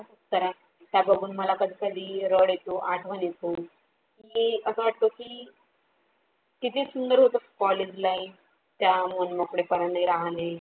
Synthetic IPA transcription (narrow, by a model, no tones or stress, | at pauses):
asut̪əɾa | t̪jabəɡʱuːnməlakəd̪ʱikad̪ʱiːɾəɽjet̪oʔaʈʰʋənjet̪o | kiəsəʋaʈ̚t̪okiː | kit̪ʰesund̪əɾɦot̪okɔled͡ʑlaif | t̪jamənməkɽepəɾanːaiɾaɦle